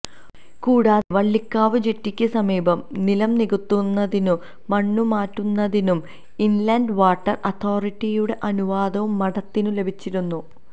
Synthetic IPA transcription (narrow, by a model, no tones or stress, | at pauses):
kuːɽaːðeʋɐɭːikːaːʋɨd͡ʑetːikʲːɨsɐmiːbɐmnilɐmniɣut̪ːunːɐðinuː | ɐɳːumaːtːunːɐðinum | inlɐndʋaːʈːɐrɐt̪ʰo̞ːriʈːijuɽe̞ʔɐnuʋaːd̪ɐʋumːɐɽɐt̪ːinule̞bʱit͡ɕːiɾunːu